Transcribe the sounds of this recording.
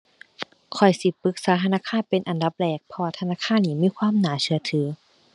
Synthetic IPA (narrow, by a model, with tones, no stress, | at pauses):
kʰɔ˨˩jsi˧˦pɯ˧˥k̚saː˨˦t̪ʰa˧naː˧˥˨kʰaː˧˥˨npe˨nʔa˨nda˧˦p̚lɛː˧˩k̚pʰɔ˧waː˧˩t̪ʰa˧naː˧˥˨kʰaː˧˥˨nːiː˧˩˨miː˧˥˨kʰwaː˧˥˨mnaː˨˦sɯ˧˦ɐt̪ʰɯː˨˦